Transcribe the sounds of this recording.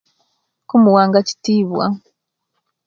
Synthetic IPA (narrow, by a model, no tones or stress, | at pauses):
kumuwaːŋɡaci̥tiːβwa̰